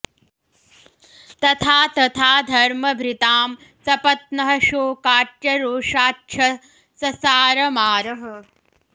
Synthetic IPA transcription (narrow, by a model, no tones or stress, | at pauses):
t̪ɐt̪ʰaːt̪ɐt̪ʰaːd̪ʱɐɾmɐbʱɾit̪aːm | sɐpɐt̪̚nɐɦɐʃoːkaːʈjɐɾoːʂaːtːʃʰɐ | sɐsaːɾɐmaːɾɐɦɐ̆